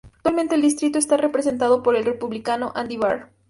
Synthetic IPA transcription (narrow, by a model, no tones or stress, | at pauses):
ak̚t̪walment̪eːld̪ist̪ɾit̪oest̪are̞pɾe̞se̞nt̪̬aðo̞poɾe̞lrepuβlikano̞ʔãnd̪iβaɾ